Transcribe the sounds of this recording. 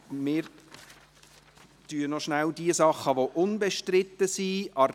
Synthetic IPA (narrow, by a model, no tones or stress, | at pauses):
mɪːɾ | tyənɔʃnældiəsɑχːəʋoʔʊnbɛʃtrɪt̪ːəsiʔɑ